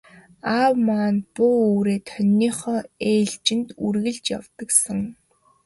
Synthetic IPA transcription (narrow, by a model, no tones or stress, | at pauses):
awmaːnpʊuːɾeːt̪ʰœnʲːiːχɔːeːɮt͡ɕɪ̆nt̪urɣɘ̆ɮt͡ɕja̰wt̪ə̆ksə̆ŋ